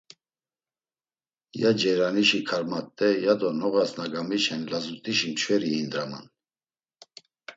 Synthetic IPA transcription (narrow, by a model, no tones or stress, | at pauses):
jad͡ʒɛɾaniʃikʰaɾmat̪ʼːɛjad̪ɔnɔʁasnaɡamiʃɛnlazut̪ʼiʃimt͡ʃʰvɛɾiind̪ɾama̰n